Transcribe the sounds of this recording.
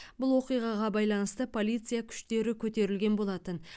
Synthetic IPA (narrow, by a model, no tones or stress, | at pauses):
bʊlˠwo̞qijʁɑʁɑbɑjlˠɑnəst̪əpʰo̞lʲˠijt̪sɨjakʲʰʏ̥ʃt̪e̞ɾɪkʲʰɵt̪e̞ɾɪlɡʲe̞nbo̞lˠɑt̪ən